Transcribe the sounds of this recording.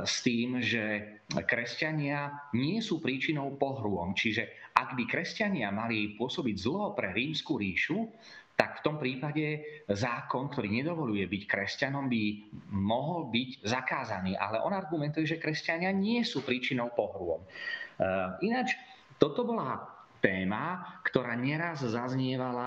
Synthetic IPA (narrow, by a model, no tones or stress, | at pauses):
st̪iːmʒɛ | kɾɛscaɲɪaɲɪɛsuːpɾiːt͡ʃinɔʊpɔɦɾʊɔmt͡ʃiʒɛʔaɡbikɾɛscaɲɪamalipʊɔsɔbiɟzl̩ɦɔpɾɛɾiːmskuɾiːʃu | t̪akft̪ɔmpɾiːpaɟɛzaːkɔnk̚t̪ɔɾiːɲɛd̪ɔʋɔlujɛbickɾɛscanɔmbimɔɦɔlbiɟzakaːzaniːʔa̰lɛʔɔnaɾɡumɛnt̪ujɛʒɛkɾɛscaɲɪaɲɪɛsuːpɾiːt͡ʃinɔʊpɔɦɾʊɔ̰m | inat͡ʃ | t̪ɔt̪ɔbɔla | t̪ɛːmakt̪ɔɾaːɲɛɾazzazɲɪɛʋala